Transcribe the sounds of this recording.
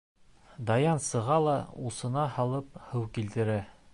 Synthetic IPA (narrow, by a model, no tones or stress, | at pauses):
d̪ɑjɑnsɤ̆ʁɑlˠɑusɤ̆nɑhɑlˠɤphɤwkilt̪ɘ̆ɾæ